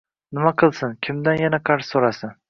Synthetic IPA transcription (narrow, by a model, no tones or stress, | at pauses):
nɪmaqʰɨlˠsɪnkʲʰɪmd̪anjanaqʰɑɾssoɾasɪn